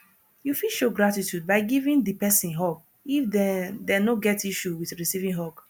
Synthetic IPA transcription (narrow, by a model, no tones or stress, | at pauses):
jufiʃoɡɹatitjud̚baɪɡivĩndipɛsĩnɦop̚ | ifdɛdɛnoɡɛtiʃuwiθɹisivĩŋɦok